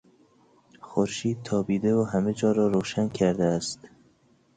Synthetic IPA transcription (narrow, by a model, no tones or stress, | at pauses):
xoɾʃiːd̪̚t̪ʰɒːbiːd̪evoɦæmed͡ʒɒːɾɒːɾoːʃænkʰæɾd̪eæst̪